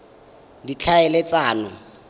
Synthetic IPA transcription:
dit͡ɬʰaɛlɪt͡saːnʊ

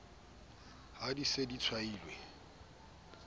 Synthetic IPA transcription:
hadisedit͡sʰwaiːlwe

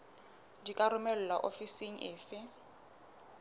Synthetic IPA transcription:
dikʼaɾʊmɛl̩laʔofisiŋ̩ʔeːfɪ

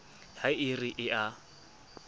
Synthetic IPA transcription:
haɪriʔɪʔa

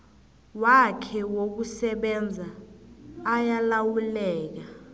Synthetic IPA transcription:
wakʰɛwok̬usɛɓɛnd͡zʱaː | jalawulɛːk̬a

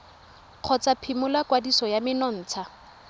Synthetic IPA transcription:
q͡χʰɔt͡sapʰimʊlakwadisɔjamɪnɔn̩ːt͡sʰa

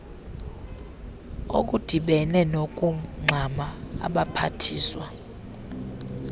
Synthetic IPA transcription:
o̰k̬ʼud̥ʱiɓɛnɛnok̬ʼuŋ͡ǀʱamaa̰ɓapʰatʰiːswa

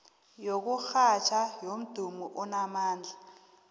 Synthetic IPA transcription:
jok̬uxat͡ʃʰajom̩d̥ʱumuʔunamaːnd͡ɮʱa

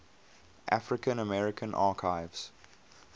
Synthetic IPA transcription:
ʔa̰fɹɪkə̃nəmɛɹɪkʰə̃nʔɑːkʰaɪvz̥

